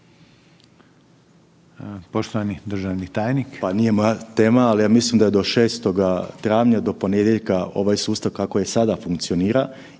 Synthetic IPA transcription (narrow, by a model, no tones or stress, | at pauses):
poʃt̪oʋanid̪rʒaʋnit̪aːjnikpanijemat̪e̞ːmaːlijaːmislimd̪aje̞d̪o̞ʃeːst̪o̞ɡat̪ɾaːʋɲad̪o̞po̞ned̪je̞ʎkao̞̰ʋajsuːst̪aʋkakojesad̪afuŋkt̪sio̞niːɾa